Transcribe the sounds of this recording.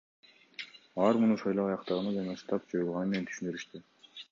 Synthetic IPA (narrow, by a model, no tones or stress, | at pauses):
ɑɾmunuʃɑjlˠoɑjɑqt̪ɑʁɯnɑd͡ʒɑnɑʃt̪ɑpd͡ʒojlˠʁɑnɯme̞ne̞nt̪ʰy̥ʃynd̪yɾyʃt̪y